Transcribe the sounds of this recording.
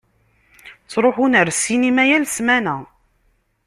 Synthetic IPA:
t͡sːɾˤoħunəɾsinimæjælsmænæ

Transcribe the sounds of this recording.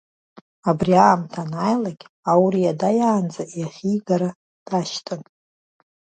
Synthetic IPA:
abriaːmtʰanajlaɡʲ | awɾiadajaːnd͡zaʔjaχʲijɡaɾa | d̥aʃtʰʼɨn

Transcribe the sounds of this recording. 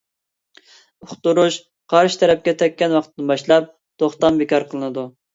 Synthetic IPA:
ʊχt̪uɾuʃ | qʰɑɾʃɪ̥t̪ʰɛɾɛp̚kʲɛt̪ʰɛkʲːɛnwɑqʰt̪ːɨnbɑʃlˠɑp̚ | t̪ʰoχt̪ɑmbekʲʰɑɾqʰəlˠɨnɨd̪u

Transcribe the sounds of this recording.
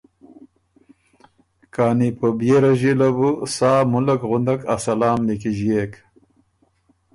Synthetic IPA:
kaːnipəbjeɾaʑilabusaːmulakɣund̪akasɐlaːmlikiʑjek

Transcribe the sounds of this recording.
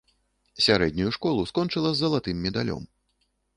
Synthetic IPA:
sʲaɾɛd̪ʲnʲujuʂkɔlˠuskɔnt͡ʂɨlˠɐzːɐlˠat̪ɨmːʲɛd̪a̰lʲɔ̰m

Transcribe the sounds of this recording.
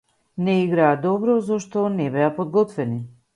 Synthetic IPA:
nɛiɡɾaːd̪ɔbɾɔzɔʃt̪ɔnɛbɛapɔd̪ɡɔt̪vɛni

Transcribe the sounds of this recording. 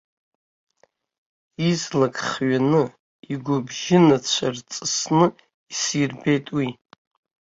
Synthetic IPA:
izlakʰʼχɥanɨ | iɡʷʊbʒɪnat͡ɕʷʰart͡sʼɨsnɨ | isirbe̞jtʼwi

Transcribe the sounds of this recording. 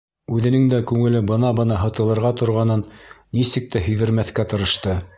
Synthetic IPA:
ʉðɘ̆nɘŋd̪ækʉŋɘ̆lɘbɤ̆nɑbɤ̆nɑɦɤ̆t̪ɤ̆lˠɤ̆ɾʁɑt̪ŏɾʁɑnɤnː | isɘk̚t̪æɦɵ̆jðɘ̆ɾmæθkæt̪ɤ̆ɾɤ̆ʃt̪ɤ

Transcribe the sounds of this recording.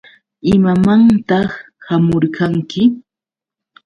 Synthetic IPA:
ɪmamant̪ɑχ | hamoɾkʰaŋkɪ

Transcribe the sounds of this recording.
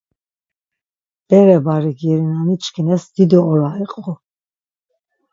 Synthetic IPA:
b̥ɛɾɛbaɾiɡiɾinanit͡ʃkʰinɛsd̪̥id̪ɔɔɾaiqʼɔ

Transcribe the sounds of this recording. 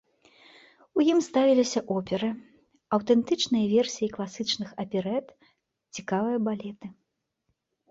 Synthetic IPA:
ujimst̪avʲilʲisʲɐʔɔpʲɛɾɨ | ɐwt̪ɛnt̪ɨt͡ʂnɨjɐvʲɛrsʲijiklˠasɨt͡ʂnɨxɐpʲɛɾɛt̪ | t͡sʲikavɨjɐbalʲɛt̪ɨ

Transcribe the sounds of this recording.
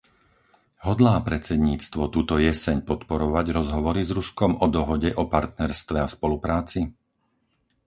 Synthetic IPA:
ɦɔd̪laːpɾɛt͡sɛd̪ɲiːt͡st̪ʋɔt̪uːt̪ɔjɛsɛɲpɔt̪pɔɾɔʋaɟɾɔzɦɔʋɔɾizɾuskɔmɔd̪ɔɦɔɟɛʔɔpaɾt̪̚nɛɾst̪ʋɛaspɔlupɾaːt͡si

